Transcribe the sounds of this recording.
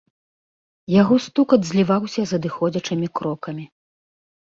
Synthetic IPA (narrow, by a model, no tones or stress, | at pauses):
jaɣɔst̪ukɐd̪zʲlʲivawsʲɐzɐd̪ɨxɔd͡zʲɐt͡ʂɨmʲikɾɔkɐmʲi